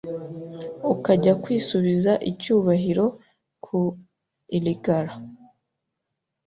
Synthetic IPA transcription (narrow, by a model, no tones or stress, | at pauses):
ukaɟakwiːsuβizaʔicuːβaɦiɾo̞ | kʰu | iliɡaɾa